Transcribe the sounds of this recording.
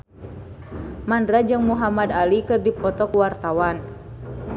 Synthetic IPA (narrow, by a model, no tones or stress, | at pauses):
mandɾad͡ʒɨŋmuɦamad̪alikɨrdipɔt̪ɔkwart̪awan